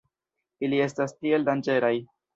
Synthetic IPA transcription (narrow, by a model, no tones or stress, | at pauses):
ilie̞stastie̞ldand͡ʒe̞ɾaj